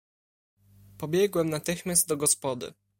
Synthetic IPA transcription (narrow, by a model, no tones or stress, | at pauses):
pɔbʲjɛɡwɛmnat̪ɘxmʲjast̪̚d̪ɔɡɔspɔd̪ɘ̰